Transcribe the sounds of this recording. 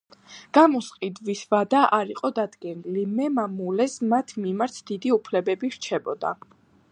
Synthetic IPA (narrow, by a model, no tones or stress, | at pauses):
ɡ̥amɔsqʼid̪visvad̪aʔaɾiqʼɔd̪ad̪ɡɛnilimɛmamulɛsmat̪ʰmimaɾt̪ʰd̪̥id̪iupʰlɛbɛbiɾt͡ʃʰɛbɔd̪a̰